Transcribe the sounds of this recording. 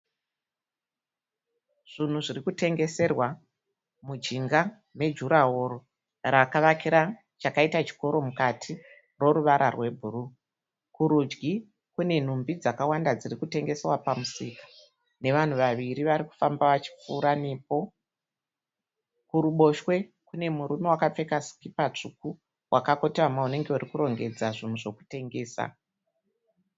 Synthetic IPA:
ʐ̥in̤uʐirikute̞ŋɡe̞se̞rwa | mud͡ʒiŋɡa | ne̞d͡ʒuɾaɦoːɾo | rakaʋakiɾa | t͡ʃakaitat͡ʃi̥ko̞ɾo̞mukatʰi | rwo̞ɾuʋaɾʔarwe̞bʱuru | kuɾud͡ʒɡi | kune̞n̤umbid͡zakawandad͡zirikute̞ŋɡe̞serwapamusikḁ | ne̞ʋan̤uʋaʋiɾiʋaɾiku̥fambaʋat͡ʃi̥p͡fuːɾanepo̞ | kuɾuɓo̞ʃwe̞ | kune̞muɾumewakap͡fe̞kasi̥kipat͡ʂuku | wʔakako̞tewamaune̞ŋɡe̞urikuɾo̞ŋɡe̞d͡zaʐin̤uʐo̞ku̥te̞ŋɡe̞ːsa̰

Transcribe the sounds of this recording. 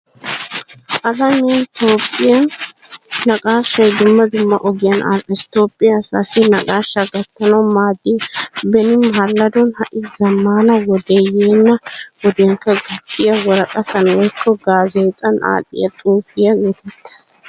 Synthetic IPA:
ʔɐlɐmɪnt̪o̞ːpʼːɪjɐnː | ɐɡʼaːʃːɐjd̪ʊmːɐd̪ʊmːɐʔɔɡɪjɐna̰lʔɐst̪oːpʼːɪjasaːsɪnɐɡʼaːʃːɐɡɐt̪ːɐnɐwmaːd̪ːibɛnɪmɦɐlːɐd̪ɔnhɐʔɪzɐmːaːnɐwɔd̪ejeːnːɐwɔd̪eŋkːɐɡɐt̪ʼːɪjɐwɔɾɐkʼɐt̪ɐnɐwɔjkʰːɔɡaːzeːt̪ʼɐnʔa̰ːt̪ʼːɪ̰jɐt̪ʼuːfɪjɐɡeːt̪ɛt̪ːe̥ːs

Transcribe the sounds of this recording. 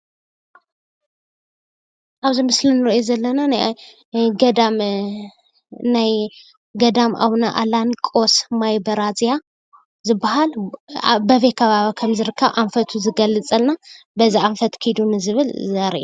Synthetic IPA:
ʔaβzimɨslinɨɾiʔozɐlːɐnanaj | ɡɐd̪am | naj | ɡɐd̪amʔa̰βnaʔa̰lankʼo̞smajbɐɾazja | zɨbːahal | bɐβekʰɐβaβikʰɐmzɨɾɨkʰːɐβʔaɱfɐt̪ʰuzɨɡɐlːɨt͡sʼɐlna | bɐziaɱfɐt̪kʰɨjd̪unɨzɨβɨlzɐɾʔe

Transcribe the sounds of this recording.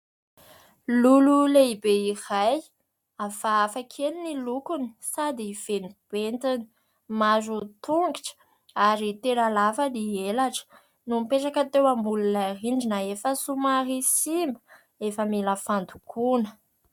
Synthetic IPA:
lululeibeiraj | afaːfakʰelinilukuni̥sad̪iv̥enib̥ent̪ini̥ | mazut̪uŋɡiʈ͡ʂə̥ | aɾit̪eɾalafəlielaʈ͡ʂə̥ | numpeʈ͡ʂakət̪ewambululariɳɖ͡ʐinaefəsumarisimbə̥ | efəmiləfand̪u̥kʰunə̥

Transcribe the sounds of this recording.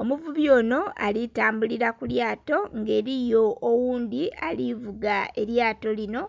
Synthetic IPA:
o̞muvuβjo̞ːno̞a̰litaːmbuliɾakuljaːto̞ŋɡe̞ːɾijo̞ːwuːnd̪ialivuɡae̞ɾjaːto̞lino̞

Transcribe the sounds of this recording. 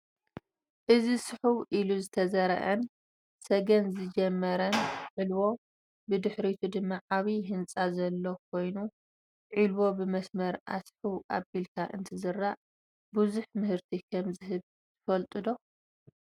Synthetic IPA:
ʔɨzisɨħuwʔiluzɨt̪ʰɐzɐɾɐ̰ʔɐn | sɐɡɐnzɨd͡ʒɛmːɐɾɐnʕilwo̞ | bɨd̪ɨħɾit̪ʰud̪ɨmːaʕaβiɦɨnt͡sʼazɐlːo̞k̚ʰo̞jnu | ʕilwo̞bɨmɐsmɐɾʔa̰sħuwʔaβilk̪ʰaʔɨ̰nt̪ʰɨzɨrːaʔ | buzuħmɨhɨɾt̪ʰikʰɐmzɨɦɨβ | t̪ɨ̥fɐlt̪ʼɨd̪o̞

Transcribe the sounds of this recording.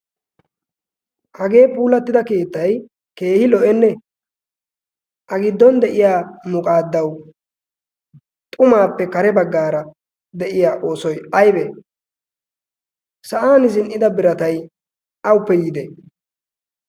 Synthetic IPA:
ʔɐɡe̞ːpuːlɐt̪ːɪd̪ɐke̞ːt̪ːɐj | ke̞ːhɪlɔʔɛnːɛ | ʔɐɡɪd̪ːɔnd̪ɛʔɪjaːmʊkʼaːd̪ːɐw | t̪ʼʊmaːpːɛkɐɾɛbɐɡːaːɾɐ | d̪ɛʔɪjaːʔo̞ːsɔjɐjbɛ | sɐʔaːnɪzɪnʔɪd̪ɐbɪɾɐt̪ɐj | ʔɐwʊpːɛjiːd̪ɛ

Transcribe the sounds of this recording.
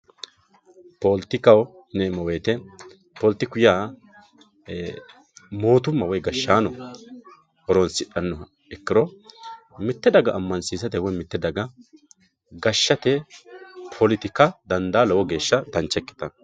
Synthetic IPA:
polt̪ːɪkɐw | nemɔweːt̪ɛ | polt̪ːɪkʊjaː | mo̞ːt̪ʊmːɐwɔjɡɐʃːaːnɔ | hɔɾɔnsɪᶑɐnːɔ | ɛkːɪɾɔ | mɪt̪ːɛd̪ɐɡɐʔːmːɐnsiːsɐt̪ɛwɔmɪt̪ːɛd̪ɐɡɐ | ɡɐʃːɐt̪ɛ | pʰɔlɪt̪ɪkɐd̪ɐnd̪aːlɔwɔɡe̞ːʃːɐd̪ɐnt͡ʃːɛkːɪ̥t̪ɐ

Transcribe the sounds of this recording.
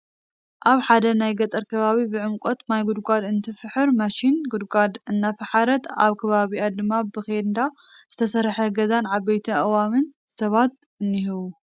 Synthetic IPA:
ʔaβħad̪ɐnajɡɐt̪ʼɐɾkʰɐβaβibɨʕɨmkʼot̪najɡud̪ɡʷʼad̪ɨnt̪ʰɨfɨħɨɾmaʃinɡud̪ɡʷad̪ɨnːafɨħaɾɐt̪a̰βkʰɐβaβiad̪ɨmːabɨxend̪a | zɨt̪ʰɐsɐɾħɐɡɐzanʕabejt̪ʰɐʔɨwamɨnsɐβat̪̚ | ʔɨnːihɨβu

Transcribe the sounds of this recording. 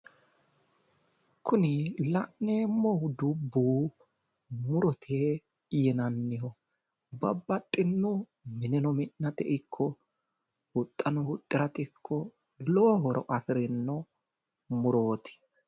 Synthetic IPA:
kʰːʊnɪlɐʔneːmːɔhʊd̪ʊbːuː | mʊɾɔt̪ʰe | jɛnɐnːɪhɔ | bɐbːɐt̪ʼːɪnːɔ | mɪnɛnɔmɪnːɐt̪ɛʔɪkʰːɔ | wʊt̪ʼːɐnɔhʊt̪ʼːɪɾɐt̪ɪkʰːɔ | loːɦɔɾɔ̰ʔɐfɪɾɪnːɔ | mʊɾoːt̪ɪ̥

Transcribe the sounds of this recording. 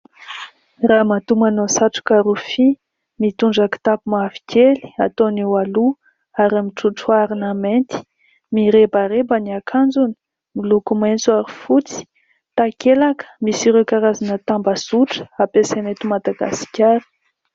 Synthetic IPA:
ramat̪umanosaʈ͡ʂu̥kaɾufi | mit̪uɳɖ͡ʐakə̥t̪apumavi̥kʲeli̥at̪onewalu | aɾamiʈ͡ʂuʈ͡ʂuaɾinament̪i̥ | miɾebaɾebaniakʰand͡zuni̥ | milukument͡suaɾifut͡si̥ | t̪akelakə̥misiɾekaɾazanət̪ambasuʈ͡ʂə̥apesenet̪umad̪aɡa̰si̥kʲaɾi̥

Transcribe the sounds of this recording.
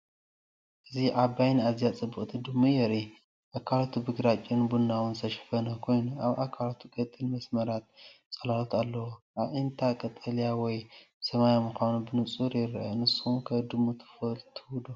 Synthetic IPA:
ʔɨziʕabajnazijat͡sʼɨbːɨχʼt̪ʰid̪ɨmːujɛɾi | ʔakʰːalt̪ʰubɨɡɾat͡ʃʼɪnbunːawɨnsɐʃfɐnɐkʰo̞jnuʔaβʔakʰalt̪ʰukʼɐt̪ʼːɨlmɐsmɐɾat̪̚ | t͡sʼɐlalot̪ʰalːɐwoʔaβʔɨnt̪ʰakʼɐt̪ʼɐlijawɔj | sɐmajamɨxʷanubɨnɨt͡sʼuɾjɪɾʔɐnɨsːukʰɐd̪ɨmːut̪ʰɨ̥fɐlt̪ʰɨwd̪u

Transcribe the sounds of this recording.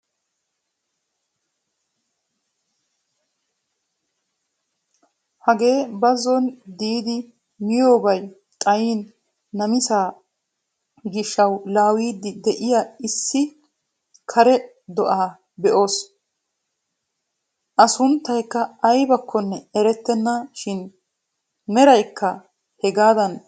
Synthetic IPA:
hɐɡe̞ːbɐzːɔnd̪iːd̪ɪ | mɪjo̞ːbɐj | t̪ʼɐjiːn | nɐmɪsaː | ɡɪʃɐwlaːwiːd̪ɪd̪ɛʔɪjaɪsːɪ | kʰɐɾɛ | d̪ɔʔaː | bɛʔo̞ːs | ʔɐsʊnt̪ːɐjkːɐːjbɐkʰːɔnːɛɛɾɛt̪ːɛnːaʃɪn | mɛɾɐjkːɐ | hɛɡaːd̪ɐn

